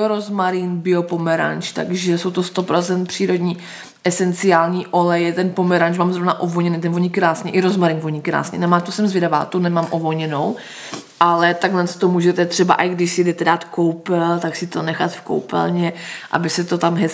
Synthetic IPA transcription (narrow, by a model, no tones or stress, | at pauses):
ɾozmaɾinbɪopomɛɾa̰nt͡ʃt̪a̰ɡʒɛso̞wt̪ost̪opɾot͡sɛnt̪̚pr̥iːɾo̞dɲiː | ʔɛsɛnt͡sɪjaːlɲiːʔo̞lɛjɛt̪ɛnpo̞mɛɾanʃmaːmzɾovnaʔovoɲɛnit̪̬ɛnvoɲikɾaːsɲɛʔɪɾozmaɾinvoɲikɾa̰ːsɲɛ̰namaːt̪usɛmzvjɛdava̰ːt̪unɛmaːmʔovolɲɛnow | ʔalɛt̪aɡlɛnst̪t̪omuːʒɛt̪ɛt̪r̥ɛba̰ʔaɡdɪʃsɪdɛt̪ɛdaːt̪kowpɛlt̪aksɪt̪o̞nɛxat̪fko̰wpɛ̰lɲɛʔa̰bɪsɛt̪ot̪amɦɛ